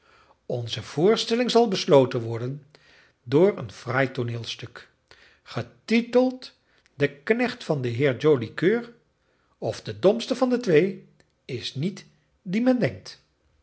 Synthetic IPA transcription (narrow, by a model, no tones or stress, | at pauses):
ɔnzəv̥ʊːɹstɛlɪŋzɑlˠbəslowtənʋɔɹdən | dʊːɹə̰nfrajtonɪːlˠstɵk | χətitəlˠt | dəknɛχtfɑndəɦɪːɹd͡ʒowlikøːɹ | ɔfdədɔmstəvɑndətʋej | ɪsnit | dimɛndɛŋk̚t